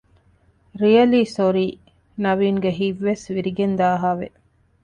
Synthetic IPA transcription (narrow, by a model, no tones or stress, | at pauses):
ɾijɐliːsoɾiː | nɐʋiːŋɡeɦiʋːesʋiɾiɡend̪aːɦaːʋḛ